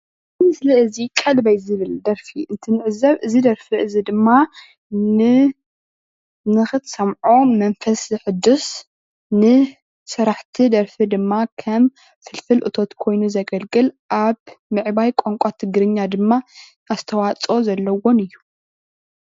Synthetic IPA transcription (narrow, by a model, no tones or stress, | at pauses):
zɨmɨsliɨzikʼɐlbɐjzɨβɨld̪ɐɾfiʔɨnt̪ʰɨnɨʕɨzɐβɨzid̪ɐɾfiʔɨzid̪ɨmːa | nɨ | nɨxɨt̪sɐmʕomɐnfɐszɨħɨd̪ːus | nɨ | sɨɾaħt̪ʰid̪ɐɾfid̪ɨmːakʰɐm | fɨlfɨlʔɨ̰t̪ʰo̞t̪kʰo̞jnuzɐɡɐlɡʼɨlʔaβmɨʕbajkʼoŋkʷʼat̪ʰɨɡɾɨɲːad̪ɨmːa | ast̪ʰɐwat͡sʼo̞zɐlːɐwo̞nɨjːu